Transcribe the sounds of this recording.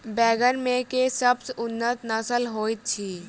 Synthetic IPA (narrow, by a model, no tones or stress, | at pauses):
bɛːɡənmẽkesəbsʊnːət̪nəsəlɦoːit̪̚t͡ʃʰiː